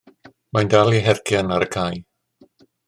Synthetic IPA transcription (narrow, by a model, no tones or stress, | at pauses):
mandalˠiɦɛrkʰjanaɾəkʰaj